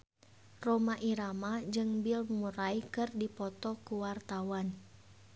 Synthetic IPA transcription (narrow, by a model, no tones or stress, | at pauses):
romaʔiɾamad͡ʒɨŋbilmuɾaikɨrdipɔt̪ɔkuwart̪awan